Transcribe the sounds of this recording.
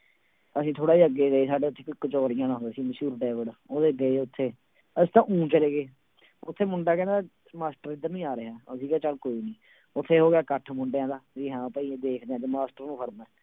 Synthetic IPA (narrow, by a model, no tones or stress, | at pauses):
əsĩːt̪ʰoːɽaːiːəɡːeːdeeːsaːɖeːʊt̪ʰːeːkɪkːət͡ʃɔːɾɪjãːnãɦʊ̃nd̪aːsiːməʃuːɾɖɛːʋəɽoːd̪eːəɡeːʊt̪ʰːeː | əst̪ãːʔũːt͡ʃəleːɡeː | ʊt̪ʰːeːmʊɳɖaːkɛ̃ːnd̪aː | maːsʈəɾɪd̪əɾnũːĩːaːɾəɦaːəsiːɡɛːt͡ʃəlkoːiːnĩː | ʊt̪ʰːeːɦoːɡɪaːkəʈʰmʊɳɖejãːd̪aːd͡ʒiːɦãːpəĩːd̪eːkʰd̪eɛ̃ːt̪eːmaːsʈəɾnũːpʰəɾmɛː